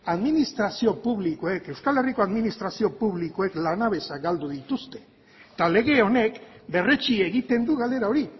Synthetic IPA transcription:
aðminist̪ɾasio̞puβlikoe̞ke̞wskale̞riko̞aðminist̪ɾasio̞puβliko̞e̞klanaβe̞saɡald̪uðit̪ust̪e̞̥ | t̪ale̞ɣe̞o̞ne̞kbe̞ret͡ʃieɣit̪e̞nd̪uɣald̪e̞ɾao̞ɾi

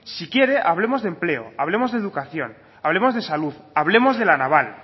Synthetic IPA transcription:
sikje̞ɾe̞ʔaβ̞le̞mo̞zðemple̞o̰aβ̞le̞mo̞zðe̞ðukaθjo̞n | aβle̞mo̞zð̞e̞saluðaβ̞le̞mo̞zðe̞lanaβ̞al

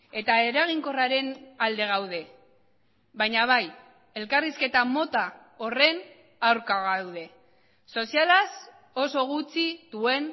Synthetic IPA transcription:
e̞t̪ae̞ɾaɣ̞iŋko̞raɾe̞nald̪e̞ɣ̞awð̞e̞ | βajɲaβ̞aj | e̞lkariske̞t̪amo̞t̪a | o̞re̞n | awɾkaɣawð̞e̞ | so̞sialas | o̞so̞ɣut͡siðue̞n

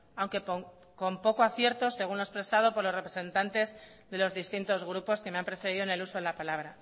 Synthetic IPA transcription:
awŋke̞poŋ | ko̞mpo̞ko̞aθje̞ɾt̪o̞se̞ɣunlo̞espɾe̞sað̞o̞po̞ɾlore̞pɾese̞nt̪ant̪e̞z | ðe̞lo̞zðist̪int̪o̞zɣɾupo̞ske̞meampɾe̞feɾiðone̞luso̞ðelapalaβɾa

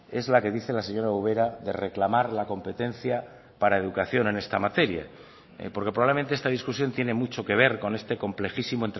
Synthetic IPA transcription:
e̞zlake̞ðiθe̞lase̞ɲo̞ɾauβ̞e̞ɾaðe̞re̞klamaɾlako̞mpe̞t̪e̞n̟θja | paɾae̞ðukaθjo̞ne̞ne̞st̪amat̪e̞ɾja̰ | po̞ɾkepɾoaβleent̪eest̪aðiskusjo̞nt̪je̞ne̞mut͡ʃo̞ke̞β̞e̞ɾko̞ne̞st̪e̞ko̞mple̞xisimoent̪

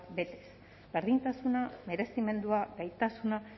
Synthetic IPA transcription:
be̞t̪e̞̥s | beɾðint̪asuname̞ɾe̞sime̞nd̪uaɡajt̪asuna

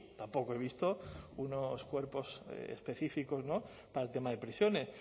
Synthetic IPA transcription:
t̪ampo̞koe̞β̞ist̪o̞unoskwe̞ɾpo̞sḛspe̞θifiko̞zno̞ | paɾalt̪e̞maðe̞pɾisjo̞ne̞s

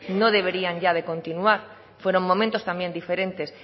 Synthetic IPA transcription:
no̞ð̞e̞β̞eɾiaɲʎað̞e̞kõ̞nt̪inuaɾ | fwe̞ɾo̞ŋmõ̞mẽnt̪o̞st̪ambje̞nd̪ife̞ɾẽ̞nt̪e̞s

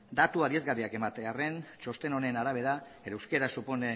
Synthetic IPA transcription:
d̪at̪uaðie̞zɣariake̞mat̪eare̞nt͡ʃo̞st̪e̞no̞ne̞naɾaβ̞e̞ɾaeɾaewske̞ɾasupone

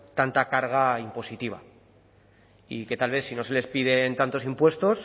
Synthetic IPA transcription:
t̪ant̪akaɾɣ̞aimpo̞sit̪iβ̞a̰ | ḭke̞t̪alβ̞e̞θsino̞se̞le̞spiðe̞nt̪ant̪o̞simpwe̞st̪o̞s

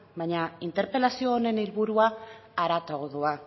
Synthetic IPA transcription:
baɲaint̪e̞ɾpe̞lasio̞ːne̞nilβuɾuaːɾat̪oɣoðua

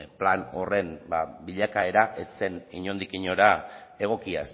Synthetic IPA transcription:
plano̞̰re̞nbabiʎakae̞ɾaʔe̞t͡se̞niɲo̞nd̪ikiɲo̞ɾae̞ɣ̞o̞kiaes

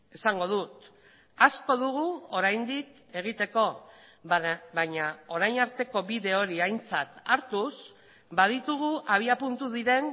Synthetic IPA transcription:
e̞saŋɡo̞ð̞ut̪ | asko̞ðuɣ̞uo̞ɾajnd̪ik | e̞ɣ̞it̪e̞ko̞ | βaɲao̞ɾajnaɾt̪e̞ko̞βiðe̞o̞ɾiajnt͡sat̪aɾt̪us | bað̞it̪uɣ̞uʔaβ̞iapunt̪uðiɾe̞n

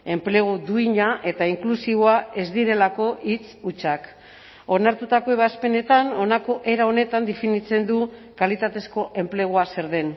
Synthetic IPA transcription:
e̞mple̞ɣ̞od̪uiɲaʔe̞t̪aiŋklusiβoae̞zd̪iɾe̞lako̞ʔit͡sut͡ʃak | o̞naɾt̪ut̪ako̞eβaspe̞ne̞t̪ano̞nako̞ʔe̞ɾao̞ne̞t̪and̪e̞finit͡se̞nd̪ukalit̪at̪e̞sko̞ʔe̞mple̞ɣ̞uase̞ɾðe̞n

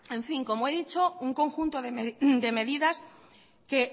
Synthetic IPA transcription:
ẽ̞ɱfiŋko̞moeðit͡ʃouŋkõ̞ŋxunt̪oðemd̪e̞me̞ðiðas | ke

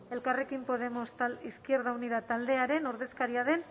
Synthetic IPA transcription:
e̞lkare̞kimpo̞ðe̞mosiskieɾðawniðat̪ald̪e̞aɾe̞no̞ɾðe̞skaɾiaðe̞n

